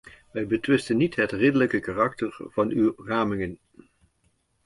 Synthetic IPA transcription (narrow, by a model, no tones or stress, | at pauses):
ʋɛjbətʋɪstənːitɦətrɪdələkəkarɑk̚təɹv̥ɑnywraːmɪŋən